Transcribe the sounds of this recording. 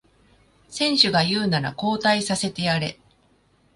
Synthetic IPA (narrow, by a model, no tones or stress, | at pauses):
sẽ̞ɰ̃ɕɨɡajɯ̟ːnaɾa̰ko̞ːt̪aisase̞t̪e̞aɾe̞